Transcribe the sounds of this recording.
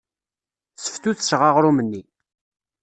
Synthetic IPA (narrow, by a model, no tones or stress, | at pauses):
sə̥ft̪uθʃʁaʁɾumənːi